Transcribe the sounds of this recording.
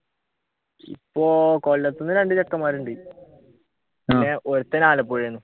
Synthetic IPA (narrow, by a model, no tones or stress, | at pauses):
ḭpːoːkolːɐt̪ːunːɨɾeɳɖɨt͡ɕɐkːɐmaːɾuɳɖi | innːeʔoɾut̪ːɐnaːlɐp̬ːoːɻijenːu